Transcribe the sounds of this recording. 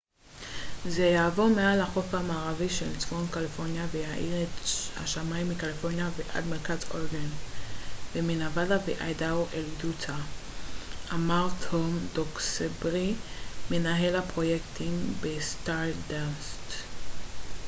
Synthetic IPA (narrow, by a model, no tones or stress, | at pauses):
zejaːvo̞ʁmealaχo̞famaːʁaviʃelt͡smo̞nkalifo̞ʁnjavejaʔiʁetha̰ʃamaimːikalifo̞ʁnjaveʔa̰dmeʁkazoʁɡan | veminavadaveʔajdawʔelidut͡sa | ʔamaʁtomdoksebʁiːe̞naɦe̞lhapʁo̞jektimbestaʁdast